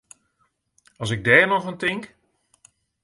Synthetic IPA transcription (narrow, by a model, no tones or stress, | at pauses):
ɑsɪɡ̚dɛːnɔχəntɪŋk